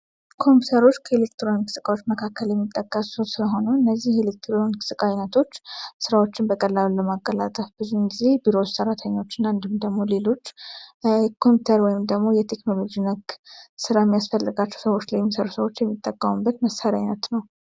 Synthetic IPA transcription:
kʰo̞mput̪ʰəɾo̞t͡ʃːkʰəelekt̪ɾojnkʰɨ̥sɨkʼawot͡ʃːməkʰakːəljɛmːit̪ʼːəkʼːəsot̪sɨləɦo̞nəwɨnːəzːihelek̚t̪ʰɾonkʰɨ̥sɨkʼajnət̪ʰo̞t͡ʃːsɨɾawo̞t͡ʃːɪnbəkʼəlːalulːəmaɡːəla̰t̪ʼəfbɨzunɡize̞biɾot͡ʃsəɾat̪ʰəɲːo̞t͡ʃːɪnand̪ɨmd̪əɡmo̞le̞lo̞t͡ʃː | kʰo̞mput̪ʰəɾwɔjɪmd̪əɡmo̞jɛt̪ʰe̞knolo̞d͡ʒinəɡsɨɾajɛmːijasfəlːɨɡat͡ʃːɛwsəwo̞t͡ʃːlajmsəɾusəwo̞t͡ʃːjɛmːit̪ʼːəkʼːəmubːət̪məsaɾiajnət̪nəw

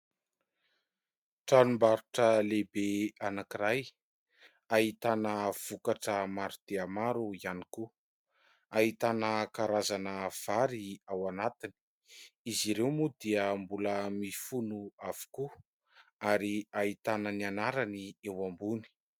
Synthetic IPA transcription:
ʈ͡ʂanumbaɾuʈ͡ʂəlebeanakiɾaj | aɦit̪anəv̥ukaʈ͡ʂəmaɾud̪̥eamaɾuianiku | aɦit̪anəkaɾazanəv̥aɾiawanat̪ini̥ | iziɾewmud̪iəmbuləmifunuav̥u̥ku | aɾiaɦit̪anənianaɾaniewambuni̥

